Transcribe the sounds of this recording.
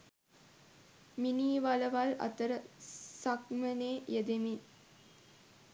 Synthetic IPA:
miniːʋaləʋala̰t̪əɾəsakməneːjed̪emi

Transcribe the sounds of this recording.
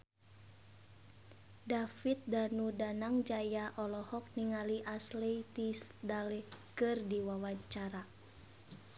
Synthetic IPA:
dafit̪̚danudanaŋd͡ʒajaʔɔlɔhɔk̚niŋaliʔaslet̪isdalɛkɨrdiwawaɲt͡ʃaɾa

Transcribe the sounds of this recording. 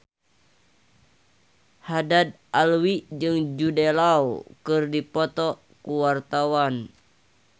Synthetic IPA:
hadad̪̚alwid͡ʒɨŋd͡ʒudelawkɨrdipɔt̪ɔ | kuwart̪awan

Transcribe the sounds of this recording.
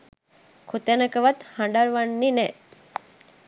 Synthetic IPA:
kʰut̪enəkəʋat̪hãɳɖaɾʋanːinɛ

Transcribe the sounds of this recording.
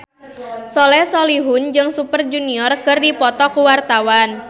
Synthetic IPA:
sɔlɛsɔliɦʊnd͡ʒɨŋsupərd͡ʒuniɔrkɨrdipɔt̪ɔkuwart̪awan

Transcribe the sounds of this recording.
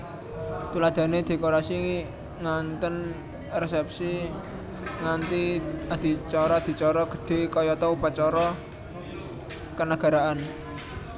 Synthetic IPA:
t̪ulad̪̥ä̤ned̪̥e̤koɾasi | ŋant̪ən | rɛsɛp̚si | ŋant̪iad̪̥i̤t͡ʃɔɾɔad̪̥i̤t͡ʃɔɾɔɡ̥ə̤̥d̪̥e̤kɔjɔt̪ɔupat͡ʃɔɾɔ | kənaɡ̥a̤ɾaʔan

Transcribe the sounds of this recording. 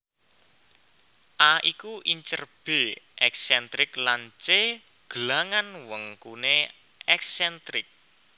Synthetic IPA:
ʔaikuʔiɲt͡ʃərb̥e̤ʔɛksɛnt̪ɾɪklant͡ʃe | ɡ̥əlaŋanwəŋkune | ɛksɛnt̪ɾɪk̚

